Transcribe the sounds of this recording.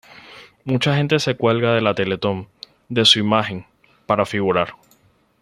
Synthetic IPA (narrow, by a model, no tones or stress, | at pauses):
mut͡ʃaxẽ̞nt̪e̞se̞kwe̞lɣaðe̞lat̪e̞le̞t̪o̞m | d̪e̞suimaxe̞ŋ | paɾafiɣuɾaɾ